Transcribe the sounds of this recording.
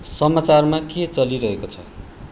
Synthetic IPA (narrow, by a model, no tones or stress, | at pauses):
sʌmat͡sarmaket͡sʌliɾʌɦekot͡sʰʌ̰